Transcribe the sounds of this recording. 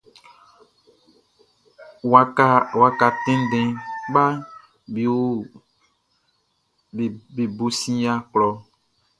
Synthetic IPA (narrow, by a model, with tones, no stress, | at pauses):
wa˨a˦wa˨ka˨t̪ẽ˦n˦ɖẽ˨ɡ͡ba˦ | bi˨wo˦˨ | be˨bo˨sĩ˦ja˦k͡plɔ˨